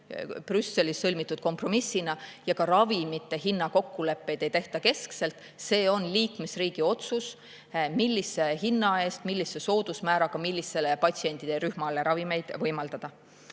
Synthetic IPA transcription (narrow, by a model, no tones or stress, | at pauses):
prysːe̞lisːɤlʲmit̪ːˑud̪̥̚ko̞mpro̞misːinɑjɑkɑɾɑvimit̪ːˑe̞ɦinːɑko̞kːule̞pːe̞jd̪̥e̞jt̪e̞ht̪ɑke̞skse̞lt̪ˑ | se̞ːo̞nliːkme̞sriːɡ̥io̞t̪sus | milʲːisːe̞ɦinːɑe̞ːst̪milːisːeso̞ːd̪̥usmæːɾɑkɑmilʲːise̞lepɑtʲsie̞nt̪id̪̥eɾyhmɑleɾɑvime̞jd̪̥vɤjmɑld̪ɑd̪̥ɑ